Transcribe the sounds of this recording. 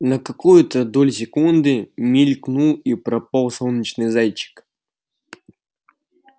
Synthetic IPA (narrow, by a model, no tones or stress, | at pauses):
nəkɐkujʊt̪əd̪olʲsʲɪkund̪ɨmʲɪlʲknulˠipɾɐpalˠsolˠnʲət͡ɕnɨjzajt͡ɕːɪ̥k